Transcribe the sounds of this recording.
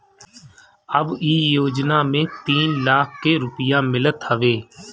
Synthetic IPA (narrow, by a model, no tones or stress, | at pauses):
əbiːjoːd͡ʒnaːmẽt̪iːnlaːkʰkeɾʊpɪjãmɪlət̪ɦəʋeː